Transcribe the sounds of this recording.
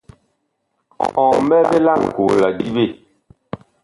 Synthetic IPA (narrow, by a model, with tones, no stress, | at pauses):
ɔ̃˨m˦bɛ˦be˦la˦˨ŋ˨ko˨la˨di˦be˦˨